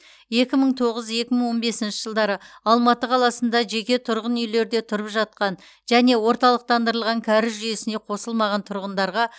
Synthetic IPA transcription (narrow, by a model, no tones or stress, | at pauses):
je̞kʲɪməɴt̪ʰo̞ʁəzje̞kʲɪməɴwo̞nbe̞sɪnʃɪ̥ʒəlˠd̪ɑɾəɑlˠmɑt̪əqʰɑlˠɑsənd̪ɑʒe̞kʲe̞t̪ʰʊɾʁənʏjle̞ɾd̪e̞t̪ʰʊɾəpʒɑt̪̚qɑn | ʒæne̞wo̞ɾt̪ɑlˠəq̚t̪ɑnd̪əɾəlˠʁɑŋkʲʰæɾɪzʒʏje̞sɪne̞qʰo̞səlˠmɑʁɑnt̪ʰʊɾʁənd̪ɑɾʁɑ